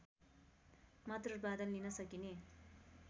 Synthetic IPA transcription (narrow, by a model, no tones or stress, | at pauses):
mʌt̪rʌbad̪ʌnlinʌsʌkine